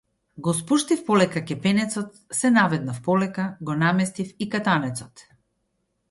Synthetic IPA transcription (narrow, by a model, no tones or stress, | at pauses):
ɡɔspuʃt̪ifpɔlɛkakɛpɛnɛt̪sɔt̪̚ | sɛnavɛd̪̚nafpɔlɛkaɡɔnamɛst̪ifikat̪anɛt̪sɔt̪